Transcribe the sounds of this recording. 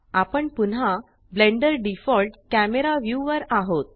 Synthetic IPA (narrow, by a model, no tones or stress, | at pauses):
apəɳpuna | blẽɳɖəɾɖifɔlʈkæmeɾaʋjuʋəɾaɦot̪̚